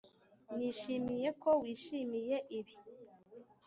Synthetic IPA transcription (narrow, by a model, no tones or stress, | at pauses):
niʃimijekowiːʃimije̞ʔiβi